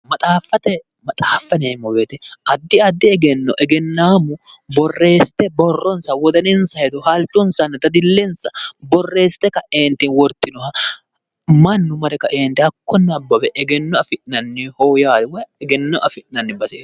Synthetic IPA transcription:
mɐt̪ʼaːfːɐt̪ɛ | mɐt̪ʼaːfːɐneːmːɔbeːt̪ɛʔɐd̪ːɪɐd̪ːɪɛɡɛnːɔʔɛɡɛnːaːmʊ | bɔrːe̞ːst̪ɛbɔrːɔnsɐwɔd̪ɐnɛnsɐjɛd̪ɔhɐlt͡ʃːɔnsɐnːɐd̪ɐd̪ɪlːɛnsɐbɔrːe̞ːsɪ̥t̪ːɛkɐeːnt̪ːɪnwɔɾt̪ːɪnɔhɐ | mɐnːʊmɐɾɛkɐʔeːnt̪ɪhɐkːɔnːɐbːɐbɛʔɛɡɛnːɔɐfɪʔnɐnːɪhoːjaːd̪wɐjɛɡɛnːɔʔɐfɪʔnɐnːɪbɐsḛː

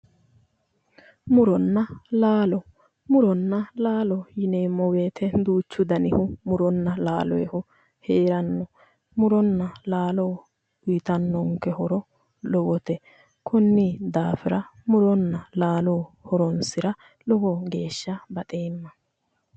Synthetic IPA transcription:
mʊɾɔnːɐlaːlɔ | mʊɾɔnːɐlaːlɔjɪneːmːɔweːt̪ʰɛd̪uːt͡ʃːʊd̪ɐnɪhʊmʊɾɔnːɐlaːlɔɛhʊ | heːɾɐnːɔ | mʊɾɔnːɐlaːloː | ʊjɪt̪ɐnːɔŋkːɛhɔɾɔ | lɔwɔt̪ɛ | kʰɔnːid̪aːfɪɾɐmʊɾɔnːɐlaːloːhɔɾɔnsɪɾɐ | lɔwɔɡe̞ːʃːɐbɐt̪ʼeːmːɐ

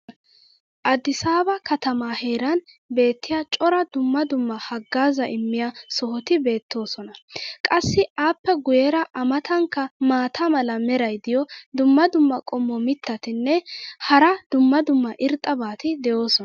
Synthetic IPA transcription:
ʔɐd̪ɪsaːbɐkɐt̪ɐmaːhe̞ːɾɐn | be̞ːt̪ːɪjat͡ʃʼɔɾɐd̪ʊmːɐd̪ʊmːɐhɐɡːaːzɐʔɪmːɪjasɔhɔt̪ɪbe̞ːt̪ːo̞ːsɔnɐkʼɐsːɪaːpːɛɡʊjɛɾɐʔɐmɐt̪ɐŋkːɐmaːt̪ʰɐmɐlɐmɛɾɐjd̪ɪjɔd̪ʊmːɐd̪ʊmːɐkʼɔmːɔmɪt̪ːɐt̪ɪnːɛhɐɾɐd̪ʊmːɐd̪ʊmːɐʔɪɾt̪ʼːɐbaːt̪ɪd̪ɛjo̞ːsɔn

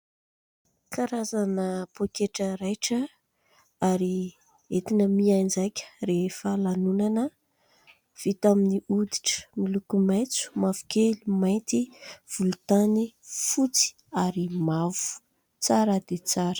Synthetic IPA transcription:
kaɾazanəpokeʈ͡ʂəɾajʈ͡ʂə | aɾi | et̪inəmiajnd͡ʒajkʲə̥ɾefəlanunanə | v̥it̪aminiud̪i̥ʈ͡ʂə̥milukumajt͡su̥mav̥u̥kʲelumajt̪iv̥ulut̪anifut͡si̥ | aɾimavu̥ | t͡saɾəd̪et͡saɾə̥

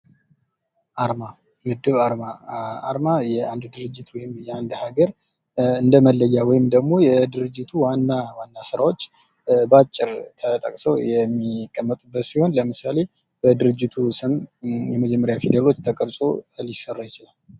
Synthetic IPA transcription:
ʔaɾma | mɨd̪ːɨβaɾmaa̰ɾmajɛand̪d̪ɨɾɨd͡ʒːɪt̪wɔjɪmjɛand̪haɡəɾ | ɨnd̪əməlːəjːawɔjɪmd̪əɡmo̞jɛd̪ɨɾɨd͡ʒːɪt̪ʰuwanːawanːasɨɾawo̞t͡ʃː | bat͡ʃʼːɪɾt̪ʰət̪ʼəkʼsəwjɛmːikʼːəmːət̪ʼubːət̪siho̞nləmɨsale | b̥əd̪ɨɾɨd͡ʒːɪt̪ʰusɨmjɛməd͡ʒɛmːəɾjafid̪elo̞t͡ʃːt̪ʰəkʼəɾsʼo̰lisərːajɪt͡ʃɪlal

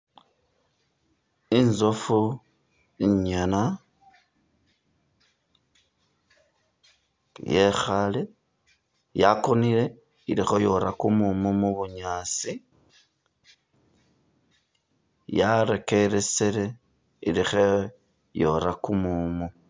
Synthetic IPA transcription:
inzofu | iɲana | jexale | jakoniɾe̞ | iɾixo̞joɾakumumumuβuɲat͡si | jaɾekeɾeseɾe | iɾixe | jo̞̰ɾakumumu

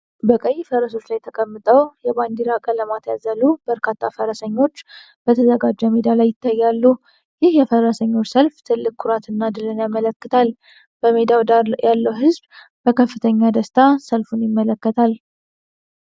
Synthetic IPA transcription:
bəkʼəjːfəɾəso̞t͡ʃːlajt̪ʰəkʼəmːɨt̪ʼəwjɛband̪iɾakʼələmat̪jazəlubəɾkʰat̪ʰːafəɾəsəɲːo̞t͡ʃː | b̥ət̪ʰəzəɡad͡ʒːɛmed̪alajːɪt̪ʰːajːalːu | jɪhjɛfəɾəsəɲːo̞t͡ʃːsəlft̪ʰɨlːɨkkʰːʊɾat̪ʰɨnːad̪ɨlɨnjamələkːɨt̪ʰal | b̥əmed̪awalːəwɦɨzb | b̥əkʰəfːɨt̪ʰəɲːad̪əst̪ʰasəlfunjɪmːələkːət̪ʰal

